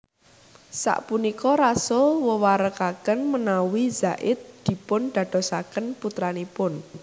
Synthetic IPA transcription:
sa̰ʔpunikɔɾasowəwaɾəkakənmənawizaʔɪt̪̚d̪̥i̤pʊnɖ̪̥ä̤ɖ̪̥ɔ̤sakənput̪ɾanipʊn

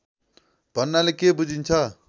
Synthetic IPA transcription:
b̥ʱʌnːalekebud͡zʱint͡sʰʌ

